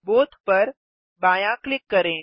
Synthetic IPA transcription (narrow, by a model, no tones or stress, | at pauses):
bot̪pəɾ | bajãklɪkːəɾẽ